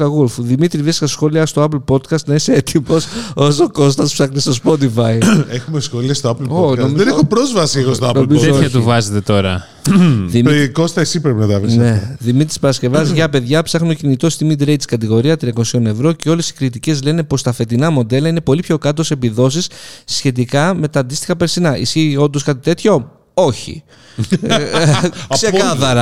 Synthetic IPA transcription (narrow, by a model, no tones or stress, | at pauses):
ɐɣulfuðimit̪ɾivisxɐsxo̞liɐst̪oɐplpo̞d̪kɐst̪nɐise̞et̪ʰipo̞sosoko̞st̪ɐspsɐxnist̪o̞spo̞t̪̬ifɐjexumesxoliɐst̪oɐplonommiðeznexopɾozvɐsieɣost̪oɐnomizooçɐt̪uvɐzet̪e̞t̪o̞ɾɐ | ðimiko̞st̪ɐesipɾepinɐt̪ɐvisne̞ðimit̪ɾispɐɾɐsce̞vɐzʝɐpe̞ðʝɐpsɐxnunocinit̪o̞st̪imit̪ɾejt̪skɐt̪̬iɣo̞ɾiɐt̪ɾiɐko̞sio̞ne̞vɾo̞ceo̞le̞si̥kɾit̪ice̞zle̞ne̞po̞st̪ɐfe̞t̪inɐmo̞d̪e̞lɐine̞po̞lipçokɐt̪o̞se̞piðo̞sisːçe̞t̪̬ikɐme̞t̪ɐːnd̪ist̪i̥xɐpe̞ɾsinɐḭsçiːo̞nd̪o̞skɐt̪it̪e̞t̪ço̞ | o̞çḭ | ksekɐθɐɾɐ